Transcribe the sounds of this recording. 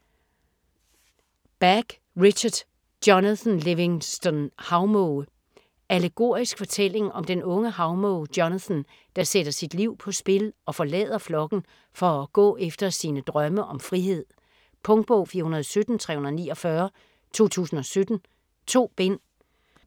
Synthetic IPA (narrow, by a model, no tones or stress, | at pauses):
b̥æɡ̥ | ʁiɕɐd̥ | djɒnsnleʋeŋsd̥ɔnhɑ̈ʊmɔʊ | æleɡ̥o̝̰ɐ̰isɡ̥fɒ̽t͡sʰel̰e̝ŋɒ̽md̥enɔ̽ŋəhɑ̈ʊmɔʊd̥jɒnæsn | d̥ɑ̈sed̥ɐsid̥liʊ̰pʰɒ̽sb̥e̝lɒ̽fɒ̽lɛ̰ːð̞ˠɐflɒ̽ɡ̥n̩ | fɒ̽ɡ̥ɔ̰̽ːefd̥ɐsinəd̥ʁɶməʔɒ̽mfʁiɦe̝ð̞̰ˠ | pʰɔ̽ŋd̥̚b̥ɔʊ̰fiːɐɦunɐðˠɒsød̥n̩t͡sʰʁɛ̰ːhunɐðˠnḭːɒ̽fɶːɐ | t͡sʰo̝̰ːt͡sʰṵːsn̩ɒ̽sød̥n̩ | t͡sʰo̝̰ːb̥en̰